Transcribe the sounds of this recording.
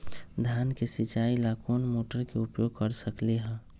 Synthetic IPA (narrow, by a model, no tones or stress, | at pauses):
d̪ʱjankesit͡ʃaːilakʰoːnmoːʈəɾkeʊpjoɡ̚kəɾsəkleɦɛ̃ː